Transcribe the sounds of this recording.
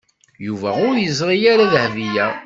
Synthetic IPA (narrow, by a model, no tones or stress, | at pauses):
juvæʊɾjəzˤɾˤijaɾaðhvijæ